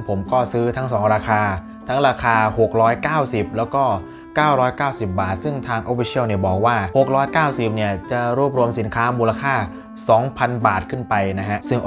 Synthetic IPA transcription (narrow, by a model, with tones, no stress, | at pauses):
pʰo˩˦mkɔː˥˩sɯː˦˥t̪ʰa˦˥ŋsɔː˩˦ŋɾaː˧kʰaː˧ | t̪ʰa˦˥ŋɾaː˧kʰaː˧ho˨˩k̚ɾɔː˦˥jkaː˥˩wsi˨˩p̚lɛː˦˥wkɔː˥˩ | kaː˥˩wɾɔː˦˥jkaː˥˩wsi˨˩p̚baː˨˩t̪̚sɯ˥˩ŋt̪ʰaː˧ŋʔoː˨˦˥fi˦˥sʰi˥˩əwni˥˩ɐbɔː˨˩k̚waː˥˩ho˨˩k̚ɾɔː˦˥jkaː˥˩wsi˨˩p̚ni˥˩ɐt͡ɕa˨˩ɾuː˥˩p̚ɾu˧əmsi˩˦nkʰaː˦˥muː˧la˧kʰaː˥˩ | sɔː˩˦ŋpʰa˧nbaː˨˩t̪̚kʰɯ˥˩npa˧jna˦˥kʰa˦˥ʔsɯ˥˩ŋ